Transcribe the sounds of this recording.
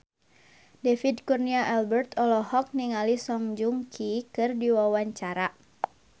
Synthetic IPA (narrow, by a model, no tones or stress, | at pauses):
defidkurniaʔɛlbɛrt̪ɔlɔhɔk̚niŋalisɔŋd͡ʒuŋkʰikɨrdiwawaɲt͡ʃaɾa